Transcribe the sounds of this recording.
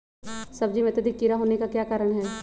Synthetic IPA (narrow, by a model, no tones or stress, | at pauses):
sɐbd͡ʒimẽt̪ɪd̪ʱɪkːiɾaɦoːnekakjaːkaːɾəɽ̃ɦɛː